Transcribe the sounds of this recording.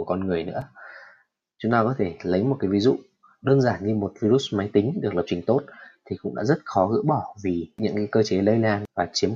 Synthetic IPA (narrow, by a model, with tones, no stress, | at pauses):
ku˧˩kɔ˧nŋɨ˨˩əjnɨ̰˧˥ə | t͡ɕʊ˨˦ŋ͡mt̪aː˧˩kɔ˨˦t̪ʰe˧˩lə˨˦jmo˨˩kaː˨˦jvi˨˦zṵ˧˨ | ɗəː˧nzaː˧˩nɲɨ˧mo˨˩t̚vi˧ɾu˦˥tma˨˦jt̪ï˨˦ŋ̟ɗɨ˨˩ək̚lə˨˩p̚t͡ɕï˨˩ŋ̟t̪o˦˥t̚t̪ʰi˨˩kʊ̰˧˥ŋ͡mɗa̰ː˧˥zə˦˥t̚xɔ˨˦ɣɨ̰˧˥ɓɔ˧˩vi˨˩ɲɨ̰˧˥ŋkaː˨˦jkəː˧t͡ɕe˨˦lə˧jlaː˧˩nvaː˨˩t͡ɕi˨˦ə